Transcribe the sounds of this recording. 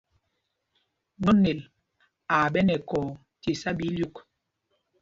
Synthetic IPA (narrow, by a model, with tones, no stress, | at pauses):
nɔ˦ne˨l | aː˨ɓɛ˦nɛ˨kɔː˨ | te˨sa˦bi˨˦lju˦˨k